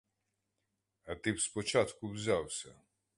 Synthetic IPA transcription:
ɐt̪ɪpspɔt͡ʃat̪kʊwzʲawsʲɐ

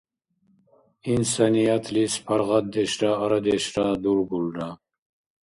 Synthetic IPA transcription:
insanijat̪ʰlispʰaɾʁad̪d̪ɛʃɾaːɾad̪ɛʃɾad̪uɾɡulɾa

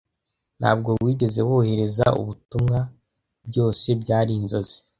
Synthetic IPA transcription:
n̥ha̰ːbɡo̞wiːɟe̞ze̞wohe̞ɾe̞zaṵβutumŋa | bɟo̞ːse̞bɟaːɾiːnzo̞zi̥

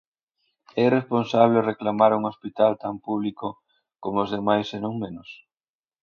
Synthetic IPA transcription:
ɛresponsaβ̞lereklamaɾuŋospit̪alt̪ampuβ̞liko | komoozðemajsenõŋmẽnʊs

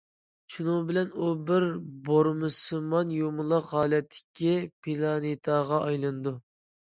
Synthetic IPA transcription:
t͡ʃʰunuŋbɪlɛnubɪɾboɾmɨsɨmɑnjomɨlˠɑqʁɑːlɛt̪ʰːɪ̥kʲʰːipʰilˠɑnit̪ʰɑʁɑʔɑjlˠɨnd̪u

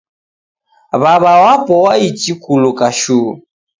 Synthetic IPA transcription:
βaβawapʼɔwait͡ʃʼikʰʼulʊkʼaʃuː

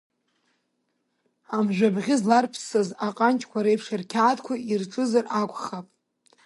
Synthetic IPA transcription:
amʒʷᶣabʁʲɪzlarpʰsazaqʼant͡ʃʼkʷʰaɾejpʰʂarkʲʰaːtʼkʷʰairʈ͡ʂʼɨzarakʷʼχapʼ

